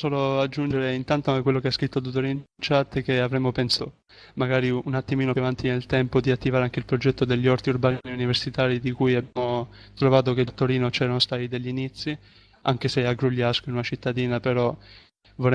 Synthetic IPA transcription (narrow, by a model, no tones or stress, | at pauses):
soːload͡ʒːund͡ʒeɾeint̪ant̪oaŋkekwelːokeaskɾit̪ːod̪̬ut̪ːoɾiːnt͡ʃat̪ːkeavɾɛmːopɛnso | maɡaːɾiunat̪ːimiːnovant̪inelt̪ɛmpod̪iat̪ːivaɾeaŋk̟eilpɾod͡ʒɛt̪ːod̪eʎːɔɾt̪iurbaaniuniversit̪aːɾid̪ikujabjamo | t̪ɾovaːt̪̬ok̟ed̪ut̪ːoɾiːnot͡ʃɛːɾanost̪aːt̪id̪eʎːinit̪sːi | aŋk̟eseaɡɾuʎːaskoinunat͡ʃit̪ːad̪iːnapeɾɔ | voɾɛ